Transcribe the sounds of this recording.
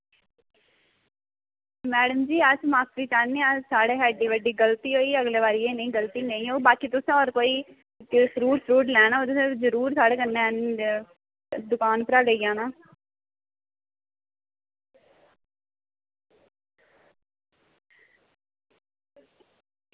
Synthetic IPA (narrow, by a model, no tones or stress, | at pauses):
mɛːɽəmd͡ʒiːəsmaːsɾiːt͡ʃaːnːeːasaːɽeːɦɛːɖiːʋəɖiːɡəlt̪iːɦoːiːəɡleːʋaːɾiːeːnəĩːɡəlt̪iːnəĩːoːbaːkiːt̪ʊsãːɔːɾkoːiː | səɾuːɾsəɾuːʈlɛːnaːoːt̪ʊsãːzəɾuːɾsaːɽeːkənːẽən | d̪ʊkaːnpəɾaːɾəiːãːnãː